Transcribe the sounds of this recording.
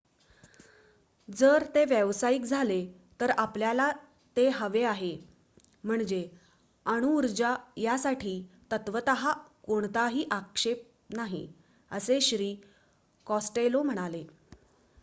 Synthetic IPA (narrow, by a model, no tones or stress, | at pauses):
d͡zəɾt̪eʋjəʋsaik̚d͡zʱale | t̪əɾapljala | t̪eɦəʋeaɦe | m̤əɳd͡ʑe | əɽ̃uːɾd͡ʑajasaʈʰiːt̪ət̪ʋət̪əɦakoɳt̪aɦiːʔakʂep̚ | naɦḭ | əseɕɾiː | kɔsʈelom̤əɽ̃ale